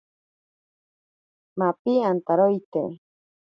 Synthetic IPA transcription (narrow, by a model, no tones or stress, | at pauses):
mapiant̪aɾojt̪ḛ